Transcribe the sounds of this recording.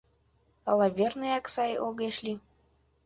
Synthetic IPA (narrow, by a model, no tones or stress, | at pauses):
ɑlɑvʲernɨjɑksɑjoɣeʃlʲi